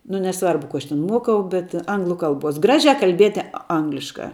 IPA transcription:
nʊ nʲɛˈsʋɐrbʊ kʊ ˈɐʃ tʲɛn ˈmuɔkɐʊ bʲɛt ˈɐŋɡlˠʊ ˈkɐlˠbuɔs ˈɡrɑːʒʲɛ kɐlʲˈbʲiɛtʲɪ ˈɐŋɡlʲɪʃkɐ

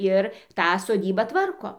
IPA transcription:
ˈɪr ˈtɑː soːˈdʲiːbɑː ˈtʋɐrkoː

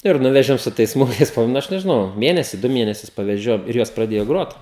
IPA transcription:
ɪr ˈnʊʋʲɛʒʲɛʊ ˈsʊ tɐɪs ˈsmʊɪkɐɪs pɐˈbʊʋoː ˈnʊ ˈɐʃ nʲɛʒʲɪˈnɐʊ ˈmʲeːnʲɛsʲɪ ˈdʊ ˈmʲeːnʲɛsʲʊs pɐʋʲɛˈʒʲoːjɛʊ ɪr ˈjoːs prɐˈdʲeːjoː ˈɡroːt

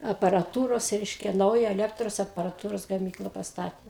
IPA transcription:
ɐpɐrɐˈtuːroːs ˈrʲɛɪʃʲkʲɛ ˈnɐʊjɛ ɛˈlʲæːktroːs ɐpɐrɐˈtuːroːs ɡɐˈmʲiːklˠɐ pɐsˈtɑːtʲeː

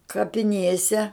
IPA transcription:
kɐpʲɪˈnʲeːsʲɛ

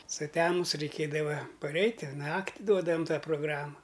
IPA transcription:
sʊˈtʲæːmʊs rʲɛɪˈkʲeːdɐʋɐ pɐˈrʲɛɪtʲ ɪr ˈnɑːktʲɪ ˈduɔdɐʋɐm ˈtɑː proːˈɡrɑːmɐ

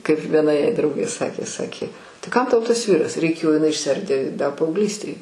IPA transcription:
kɐɪp ʋʲiɛˈnɐ jɛɪ ˈdrɐʊɡʲeː ˈsɑːkʲeː ˈsɑːkʲeː tɐɪ ˈkɐm tɐʊ ˈtɐs ˈʋʲiːrɐs rʲɛɪˈkʲeːjoː jɪˈnɐɪ ɪʃʲsʲˈɛrʲdʲeː dɐ pɐɐʊɡˈlʲiːsʲtʲeːj

